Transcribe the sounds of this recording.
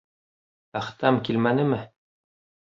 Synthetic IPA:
æχt̪ɑmkilmænɘ̆mɘ

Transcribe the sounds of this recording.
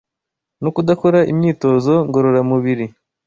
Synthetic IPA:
nukudako̞ɾaʔimɲiːto̞zo̞ŋɡo̞ɾo̞ɾamuβiɾi

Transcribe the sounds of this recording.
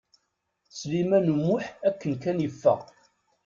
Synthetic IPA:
slimænumːʊħækːənkænjəfːæ̰

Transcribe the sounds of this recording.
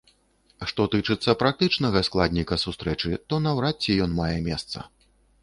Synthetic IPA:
ʂt̪ɔt̪ɨt͡ʂɨt̪sːɐpɾak̚t̪ɨt͡ʂnɐɣɐsklˠad̪ʲnʲikɐsust̪ɾɛt͡ʂɨt̪ɔnɐwɾat͡sʲːijɔnmajɛmʲɛst̪sɐ̰

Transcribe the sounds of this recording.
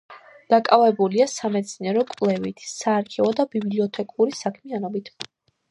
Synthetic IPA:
d̪̥akʼavɛbuliasamɛt̪sʰniɛɾɔkʼvlɛvit̪ʰsaːɾkʰɛvɔd̪abibliɔt̪ʰɛkʼuɾisakʰmianɔbit̪ʰ

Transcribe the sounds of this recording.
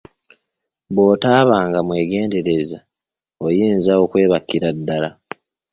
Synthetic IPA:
bwo̞ːtaːβaːŋɡamwe̞ːɡe̞ːnde̞ɾe̞za | ojiːnzao̞kwe̞ːβakːiɾadːala

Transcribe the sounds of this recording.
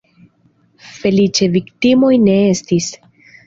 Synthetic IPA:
fe̞lit͡ʃe̞viktimo̞jne̞e̞stis

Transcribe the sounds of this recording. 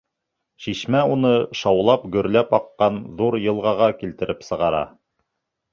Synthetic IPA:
ʃiʃmæunɤʃɑwlˠɑpɡɵ̆ɾlæpɑqːɑnðuɾjɤ̆lˠʁɑʁɑkilt̪ɘ̆ɾʔɘpsɤ̆ʁɑɾɑ̰

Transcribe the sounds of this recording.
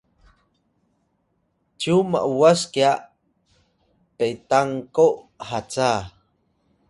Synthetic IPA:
t͡ʃuma̰ʔuwaskia | pejt̪aŋkoʔ | hat͡sa

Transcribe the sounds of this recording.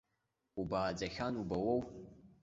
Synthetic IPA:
ubaːd͡zaxʲanubawow

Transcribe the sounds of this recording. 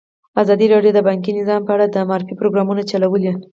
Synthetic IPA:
azɑd̪iɾɑɖjod̪əbɑŋk̬inɪzɑmpəaɽad̪əmɑɾɪfipɾoɡɾɑmunat͡ʃalawəli

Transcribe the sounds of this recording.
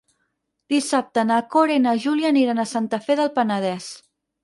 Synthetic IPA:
d̪isap̚t̪ənakoɾeinaʒuljaniɾənəsant̪əfɛðəlˠpənəð̞ɛs

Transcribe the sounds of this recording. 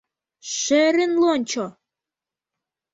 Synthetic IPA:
ʃeɾɘnlonʲt͡ɕo

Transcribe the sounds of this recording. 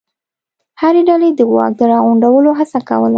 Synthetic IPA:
haɾeɖaled̪əɣwɑ̰k̚d̪əɾɑɣuɳɖawəloɦasakawəla

